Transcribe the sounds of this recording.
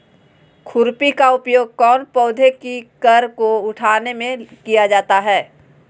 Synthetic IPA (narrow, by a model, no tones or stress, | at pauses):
kʰʊɾpikaʊpjoːɡ̚kɔːnpɔːd̪ʱekikəɾkoʊʈʰaːnemẽkijad͡ʒaːt̪aɦɛː